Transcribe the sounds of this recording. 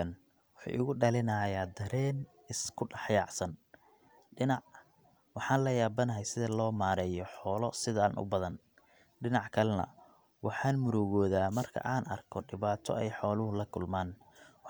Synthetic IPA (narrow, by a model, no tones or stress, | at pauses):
ɐn | wʊħṵːʔɪɣʊɖɐlɪnɐːjaːd̪ɐɾɛːn | ɪskʰʊɖɑħjɑːʕsɐn | ɖɪnɑʕ | wɑħɑːnlɐjaːbɐnɐɦɛjsɪðɐlɔːmaːɾɛːjɔħɔːlɔsɪðɐa̰ːnʔʊ̰bɐðɐn | ɖɪnɑʕkʰɐlɛnɐ̰ | wɑħɑːnmʊɾɔːɣɔːðaːmɐrkʰɐ̰ʔaːnɐ̰rkʰɔɖɪβaːt̪ʰɔ̰ɛjħɔːlʊɦʊlɐkʰʊlmaːn